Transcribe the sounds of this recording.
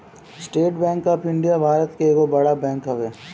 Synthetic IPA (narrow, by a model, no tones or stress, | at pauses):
sʈeːʈbɛ̃ːŋkapɪ̃ɳɖijabʱaːɾət̪keeːɡobɐɽabɛ̃ːŋkɦɐʋeː